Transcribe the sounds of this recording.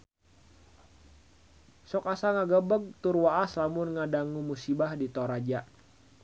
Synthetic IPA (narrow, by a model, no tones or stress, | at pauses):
sɔkasaŋaɡəbəɡ̚t̪urwaʔaslamʊnŋadaŋumusibahdit̪oɾad͡ʒaʔ